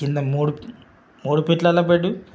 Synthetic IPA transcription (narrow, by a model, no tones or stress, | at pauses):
ind̪ɐmoːɽu | moːɽupiʈlɐlɐp̬eɖːu